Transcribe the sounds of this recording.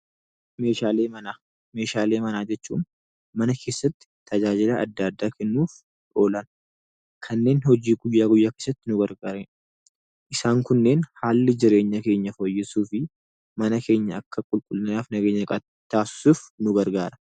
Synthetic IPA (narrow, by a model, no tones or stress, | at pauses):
me̞ːʃaːleːmɐnaː | me̞ːʃaːle̞ːmɐnaːd͡ʒɛt͡ʃːṵːn | mɐnɐkʰe̞ːsːɐt̪ːɪ̥t̪ʰɐd͡ʒaːd͡ʒɪlaʔɐd̪ːɐɐd̪ːaːkʰɛnːuːf | ʔo̞ːlɐn | kʰɐnːe̞ːnhɔd͡ʒiːɡʊjːaːɡʊjːaːkeːsːɐt̪ːɪnʊɡɐɾɡaːɾe | ʔɪsaːŋkʊnːe̞ːnhaːlːɪd͡ʒɪɾe̞ːɲːɐke̞ːɲːɐfo̞ːjːɪsuːfɪ | mɐnɐke̞ːɲːɐɐkːɐkʼʊlkʼʊlnɐnaːfnɐɡeːɲːɐkʼɐ | t̪ːaːsɪ̥suːfnʊɡɐɾɡaːɾɐ̥